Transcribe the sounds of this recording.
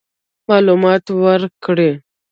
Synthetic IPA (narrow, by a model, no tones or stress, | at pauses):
mɑlumɑt̪wəɾkɽe